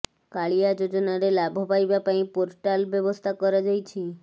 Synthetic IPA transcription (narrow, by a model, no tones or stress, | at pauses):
kaɭijad͡ʒod͡ʒɔnaɾelabʱɔpajbapaĩpoɾʈalbjɔbɔst̪ʰakɔɾad͡ʒajt͡ʃʰi